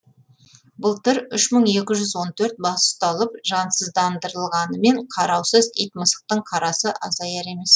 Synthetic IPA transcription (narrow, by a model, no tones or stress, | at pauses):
bʊlˠt̪ɪɾʏʃməɴe̞kʲɪʒʏzwo̞nt̪ʰɵɾt̪̚bɑsʊ̥st̪ɑlˠəpʒɑnsəzd̪ɑnd̪əɾəlˠʁɑnəme̞ɴqʰɑɾɑwsəzijt̪məsə̥q̚t̪əɴqʰɑɾɑsəʔɑzɑjɑɾe̞me̞s